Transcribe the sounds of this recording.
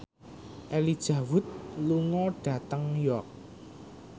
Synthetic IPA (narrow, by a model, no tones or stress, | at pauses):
ʔelid̥ʒ̥ä̤wʊt̪̚luŋɔɖ̥ä̤t̪əŋjɔrk̚